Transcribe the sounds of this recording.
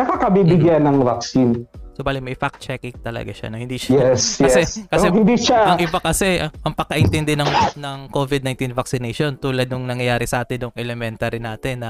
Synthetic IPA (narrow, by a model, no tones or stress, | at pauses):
nɐkakɐbibɪɡjanːɐŋvɐksinsobaːlɪmɐjfak̚t̪̚t͡ʃɛkɪŋt̪ɐlɐ̰ɡa̰ʃɐ̰ʔnohɪnd̪iːʃjɛskɐɛsɛkɐsɛhɪnd̪iʃaʔɐŋʔɪbakɐsɛɐʔɐŋpɐkɐʔɪnt̪ɛnd̪ɛnɐŋnɐŋkovɪd̪najnt̪invɐksɪnejʃo̞nt̪uːlɐd̪̚nʊŋnɐŋjɐjaːɾɪsɐʔaːt̪ɪnːʊŋʔɛlɛmɛnt̪aɾɪnaːt̪ɪnːɐ